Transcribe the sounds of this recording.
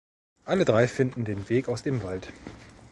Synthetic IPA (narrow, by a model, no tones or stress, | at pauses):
ʔalədʁaɪfɪndn̩deːnveːkaʊsd̥eːmvalt